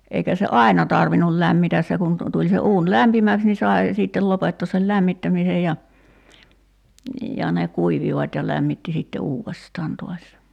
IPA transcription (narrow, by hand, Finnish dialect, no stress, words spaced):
eikæ se ɑi̞nɑ tɑrʋinul læmːitæs se kun tu tulʲ se uːn læmpimæks ni sɑe siˑtːel lopetːoːs sel læmːitːæmisej jɑ jɑ ne kuiʋiʋɑtʲ jɑ læmːitːi sitːe uːʋestɑːn to̝ɑs